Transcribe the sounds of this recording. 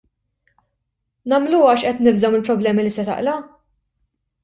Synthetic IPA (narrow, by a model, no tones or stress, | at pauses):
nɐmluːɐʃʔɛt̪nɪbzɐwmɪlpɾɔblɛːmilisɛt̪ɐ̰ʔlɐ